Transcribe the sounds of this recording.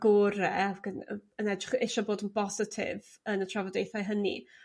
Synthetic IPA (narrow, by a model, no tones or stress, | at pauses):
ɡ̥oːɾɛavɡənəənɛdrɪχɪʃɔboːdənbɔsɪtʰɪ̰v | ənətʰravɔdejθajɦənḭ